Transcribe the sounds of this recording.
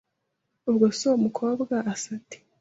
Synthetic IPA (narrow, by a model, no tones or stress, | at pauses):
ubɡosomukʰo̞ːbɡaasate̥